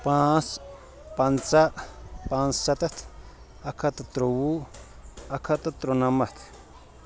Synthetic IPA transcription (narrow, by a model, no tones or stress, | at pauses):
pãs | pant͡saʔpãnssat̪at̪ʰ | akʰat̪at̪ɾowu | akʰat̪at̪ɾonamat̪ʰ